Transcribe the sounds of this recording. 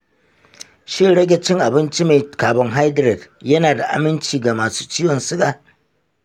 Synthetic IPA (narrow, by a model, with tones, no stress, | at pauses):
ʃɪ˦ɽɐ˦ɡʲɛ˦t͡ʃɪ˦ŋʔa˨bɪ˦nt͡ʃi˦maː˨jkaː˨bɐ˦ŋɦa˦jdɾɛ˨djɐ˦naː˨da˨ʔa̰˨mɪ˦nt͡ʃiː˨ɡa˨maː˨su̥ː˦t͡ʃɪː˦jɔ˨nsʊ˦kaː˨